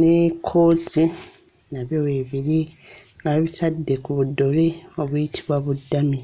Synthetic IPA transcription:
nekʰo̞ːtʰi | naβjoweβiɾiŋɡaβitʰadːe̞kuβudːo̞leo̞βujitʰi̥βwaβudːami

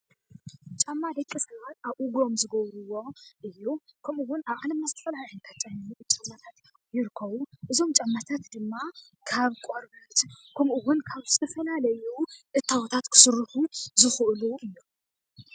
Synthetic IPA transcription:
t͡ʃʼamːad̪ɐkʼːisɐβat̪ʔaβʔuɡo̞mzɨɡɐβɾuwo̞ʔɨjːukʰɐmʔuwʊnaβalɐmːazɨt̪ʰɐfɐlahɨnt̪ʰat̪̚t͡ʃʼannut͡ʃʼamːat̪ʰat̪ | jɪɾɨkʰːɐβuʔɨzo̞mt͡ʃʼamːat̪ʰat̪d̪ɨmːa | kʰaβkʼoɾbɐt̪kʰɐmuwʊnkʰaβzɨt̪ʰɐfɐlalɐjuʔɨt̪ʰːawt̪ʰat̪kʰɨ̥sɨɾɨħuzɨxʔluɨjːu

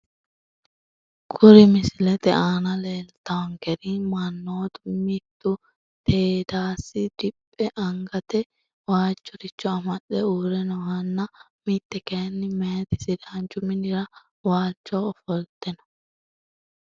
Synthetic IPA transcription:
kʰʊɾɪmɪsɪlɛt̪ɛaːnɐleːlt̪ɐwɐŋkɛɾimɐnːoːd̪ʊmɪt̪ːʊ | t̪eːd̪aːsːɪd̪̥ɪpʼːɛʔɐŋɡɐt̪ɛ | waːt͡ʃːɔɾɪt͡ʃːɔɐmɐɗɛuːɾɛnɔhɐnːɐ | mɪt̪ːɛkeːnːɪmeːt̪ɪsɪd̪aːnt͡ʃʊmɪnɪɾɐ | waːt͡ʃːɔɔfɔlt̪ɛnɐ̥

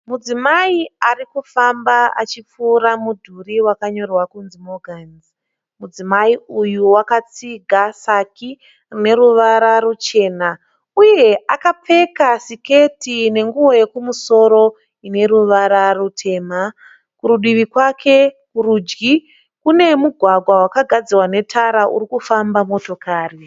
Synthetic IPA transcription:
mud͡zimaiarikufambaa̰t͡ʃip͡fuːɾamudʱuriwakaɲo̞rwakunzimoɡʱanz | mud͡zimaiujuwakat͡siɡʱasaki | rine̞ɾuʋaɾaɾut͡ʃe̞ːna | uje̞akap͡fe̞kasike̞tine̞ŋɡuwo̞je̞kumuso̞ɾo̞ | ine̞ɾuʋaɾarutʰe̞ːma | kuɾuɗiʋikwakʰe̞ | kuɾud͡ʒɡi | kune̞muɡʱwaɡʱwawakaɡʱad͡ziwane̞tʰaɾaʔṵɾikufambamo̞to̞kaːri

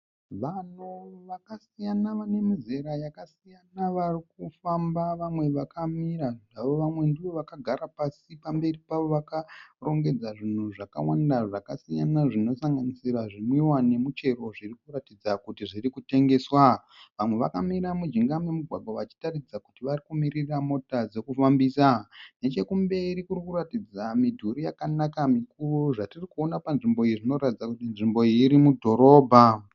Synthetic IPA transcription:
ʋanoʋakasijanaʋane̞mize̞ɾajakasijanaʋarikufambaʋamwe̞ʋakʰamiɾaaʋo̞ʋamwe̞ndiʋo̞ʋakaɡʱaɾapasipambe̞ripaʋo̞ʋakaro̞ŋɡe̞d͡zaʐin̤uʐaka̰wandaʐakasija̰naʐino̞saŋɡanisiɾaʐimwiwane̞mut͡ʃe̞ɾo̞ʐirikuratid͡zakutiʐirikute̞ŋɡe̞swa | ʋamwe̞ʋa̰kamiɾamud͡ʒiŋɡamemuɡʱwaɡʱwaʋat͡ʃi̥tarid͡zaku̥tiʋarikumiriramo̞tad͡ze̞kufambisane̞t͡ʃe̞kumbe̞ɾikuɾikuratid͡zamidʱuɾijakanakamikuruʐatirikuo̞napanʐimbo̞iʐino̞ɾatid͡zakutinʐimbo̞iɾimudʱo̞ɾo̞ːbʱa

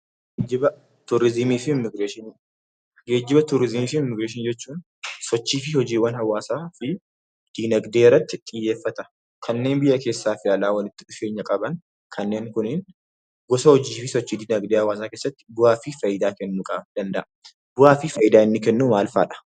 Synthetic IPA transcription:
d͡ʒɪbɐ | t̪ʊɾɪzmiːfɪmɪɡɾeːʃɪn | ɡe̞ːd͡ʒːɪbɐt̪ʊɾɪzmiːfɪmːɪɡɾeːʃ̬ɪnd͡ʒɛt͡ʃːuːn | sɔt͡ʃːiːfɪhɔd͡ʒiːwɐnhɐwːaːsaːfɪ | d̪̥inɐɡd̪eːɪrːɐt̪ːɪt̪ʼɪjːe̞ːfːɐt̪ɐ | kʰɐnːe̞ːnbɪjːɐke̞ːsːaːfɪjaːlaːwɐlɪt̪ːɪᶑʊfe̞ːɲːɐkʼɐbɐn | kʰɐnːe̞ːŋkʊnɪn | ɡɔsɐhɔd͡ʒiːfɪsɔt͡ʃːiːd̪iːnɐɡd̪eːhɐwaːs̬aːkeːsːɐt̪ːɪ̥bʊhaːfɪfɐjɪd̪aːkɛnːuːkʼɐ̰d̪̥ɐnd̪ɐʔɐ | bʊhaːfɪfɐjɪd̪aːɪnːɪkɛnːuːmaːlfa̰ːᶑɐ̥

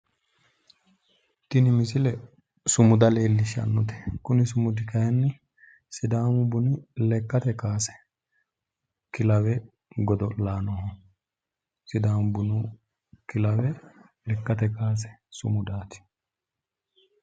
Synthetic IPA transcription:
t̪ɪnɪmɪsɪlɛ | sʊmʊd̪ɐleːlːɪʃɐ̰nːʊt̪ɛ̥kʊnɪs̬ʊmʊd̪ɪkɐjɐnːɪ | sɪd̪aːmʊbʊnɪlɛkːɐt̪ɛkaːsɛ̥ | kɪlɐwɛ | ɡɔd̪ɔlaːnɔhɔ | sɪd̪aːmbʊnu | kɪlɐwɛ | lɛkːɐt̪ɛkaːs̬ɛ̥sʊmʊd̪aːt̪ɪ̥

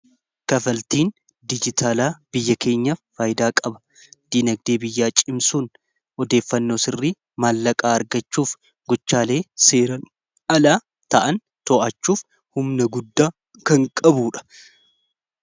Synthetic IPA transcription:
kɐfɐlt̪iːn | d̪ɪd͡ʒɪt̪ʰaːlaːb̥ɪjːɐkʰe̞ːɲːɐfːaːjd̪aːkʼɐbɐ̥ | d̪̥iːnɐɡ̚d̪eːbɪjːaːt͡ʃʼɪmsuːn | ʔɔd̪e̞ːfːɐnːo̞ːsɪrːi | maːlːɐkʼaːɐɾɡɐt͡ʃːuːf | ɡɔt͡ʃːaːle̞ːse̞ːɾɐn | ʔɐlaː | t̪ɐʔɐn | t̪ɔʔɐt͡ʃːuːf | hʊmnɐɡʊd̪ːaː | kɐŋkʼɐbuːᶑɐ̥

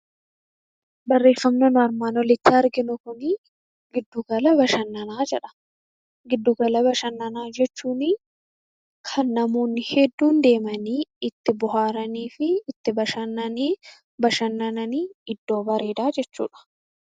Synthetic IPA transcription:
bɐrːe̞ːfːɐmnoːnʊɐɾmaːnwɔlɪt̪ːɪɐɾɡɪnʊkʊnɪ | ɡɪd̪ːʊɡɐlɐbɐʃɐnːɐnaːd͡ʒɛᶑɐ̥ | ɡɪd̪ːʊɡɐlɐbɐʃɐnːɐnaːd͡ʒɛt͡ʃːuːnɪ | kʰɐnːɐmoːnːɪhɛd̪ːuːnd̪e̞ːmɐniːɪt̪ːɪbʊɦaːɾɐniːfɪɪt̪ːɪbɐʃɐnːɐniː | bɐʃɐnːɐnɐniːɪd̪ːo̞ːbɐɾe̞ːd̪aːd͡ʒɛt͡ʃːṵːᶑɐ̥

